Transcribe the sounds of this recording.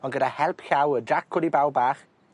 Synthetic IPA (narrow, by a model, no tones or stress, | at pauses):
ɔnɡədahɛlˠpʰɬawədakʰːʊdibawˠbaːχ